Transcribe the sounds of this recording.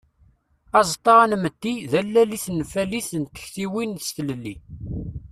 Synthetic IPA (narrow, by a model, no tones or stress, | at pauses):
ɑzˤt̪ˤːɑʁanməd̪ːiðælːæliθənfæliθənt̪ə̥çθiwinst̪ələlːi